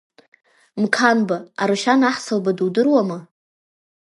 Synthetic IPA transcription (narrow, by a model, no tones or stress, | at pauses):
mkʰanbaaɾɨʃanaħsalbaduwdɨrwamɨ